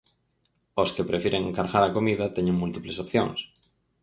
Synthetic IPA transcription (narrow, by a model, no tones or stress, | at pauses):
oskepɾefjiɾeŋeŋkaɾɣaɾakomiðat̪eɲẽŋmult̪iplesopθjo̰ŋs